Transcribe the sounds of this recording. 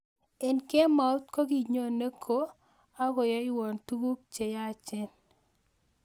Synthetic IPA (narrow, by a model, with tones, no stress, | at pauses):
ɛ˨nke˦ma˨u˦t̪ko˦ɡi˨ɲo˦˨ne˦kʰo˦ | a˦ɡɔ˨jɔ˦ɪ˦wɔ˨ntu˦ɡu˦k̚t͡ʃe˨ja˦˨t͡ʃɪ˦n